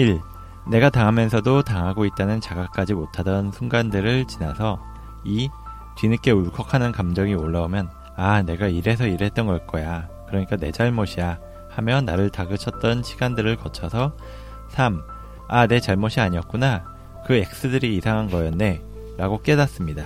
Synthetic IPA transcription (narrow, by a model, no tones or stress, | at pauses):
iɭ | ne̞ɡataŋɦamjʌnsʰʌdotaŋɦaɡoit̚t͈anɯnt͡ɕaɡak̚k͈ad͡ʑimotʰadʌnsʰuŋɡandɯɾɯɭt͡ɕinasʰʌ | i | tinɯk͈e̞uɭkʰʌkʰanɯnkamd͡ʑʌŋioɭːaomjʌn | ane̞ɡaiɾe̞sʰʌiɾɦe̞t̚t͈ʌnɡʌɭk͈ʌjakɯɾʌɲik͈ane̞d͡ʑaɭmʌɕʰija | hamjʌnːaɾɯɭtaɡɯt͡ɕʰʌt̚t͈ʌnɕʰiɡandɯɾɯɭkʌt͡ɕʰʌsʰʌ | sʰam | ane̞t͡ɕaɭmʌɕʰiaɲiʌk̚k͈una | kɯe̞k̚s͈ɯdɯɾiːsʰaŋɦanɡʌjʌnːe̞ | ɾaɡok͈e̞das͈ɯmɲida